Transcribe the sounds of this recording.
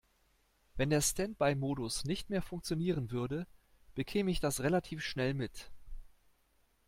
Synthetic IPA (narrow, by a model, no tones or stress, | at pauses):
vɛndeːɐstɛnt̚b̥aɪmoːdʊsnɪçtmeːɐfʊŋk̚t͡sjoniːʁənvʏɐdə | b̥əkʰeːməɪçd̥asʁelatʰiːfʃnɛlmɪt